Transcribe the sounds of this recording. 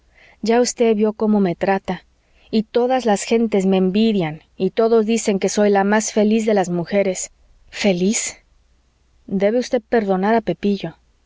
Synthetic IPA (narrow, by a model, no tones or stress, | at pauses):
ɟ͡ʝaust̪e̞ðβjo̞ko̞mo̞me̞t̪ɾat̪a | it̪o̞ðazlasxe̞nt̪e̞zme̞ːmbiðjan | it̪o̞ðo̞zðise̞ŋke̞so̞jlamasfe̞lizðe̞lazmuxe̞ɾe̞s | fe̞lis | d̪e̞βe̞ust̪e̞ðpe̞ɾðo̞naɾape̞piʝo̞